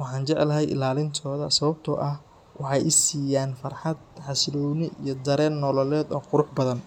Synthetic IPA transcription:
wɑħɑːnt͡ʃɛʕɛlɐɦɛjʔɪ̰laːlɪnt̪ʰɔːðɐsɐβɐb̚t̪ʰɔʔɐh | wʔɑħɑjʔɪsiːjaːnfɐrħɑd̪̚ħɑslɔwnɪʔijɔd̪ɐɾɛːnːɔlɔlɛːd̪ɔːqʊɾʊħbɐðɐn

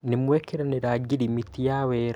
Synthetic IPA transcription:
nemwɛkeɾaneɾaɡiɾimitijawɛɾ

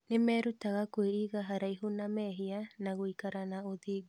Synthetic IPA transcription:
nemɛːɾutaɣakweiɣaɦaɾaiɦunamɛːɦianaɣoikaɾanaoðiːɡu

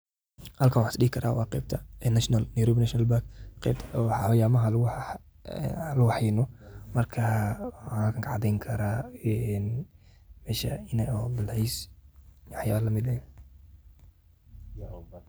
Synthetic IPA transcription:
hɐlkʰɐnwħsɗɪɦɪkʰɐɾaːwɑ̰ːqɛ̰ːb̚t̪ʰɐɛnaʃnɐlnɛjɾɔːbnaʃnɐlbakqɛ̰t̪ʰːħjaːmɐɦɐlʊ | lʊwɑħɪnɔmɐrkʰɐ | hɐlkʰɐŋkʰɐʕɑd̪ɛjŋkʰɐɾaɛn | mɛːʃɐɪnɛɔbɪlɛjs | waħjaːβlɐmɪd̪ɛ

